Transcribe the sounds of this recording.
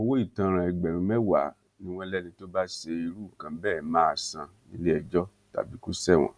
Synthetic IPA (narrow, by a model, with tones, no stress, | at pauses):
o˦˧wo˦i˦˨tã˧˦ɾ̃ã˨˧ɛ˨ɡ͡bɛ˨ɾũ˨˦mɛ˦wa˨˦ | nĩ˦w̃ɔ̃˧lɛ˦nĩ˧to˦ba˦se˧i˧ɾu˦˨kã˨bɛ˦˨mãː˦˨sã˧nĩ˦le˦ɛ˧d͡ʒɔ˦ | ta̰˨bi˨˦ku˦sɛ˦˨w̃ɔ̰̃˨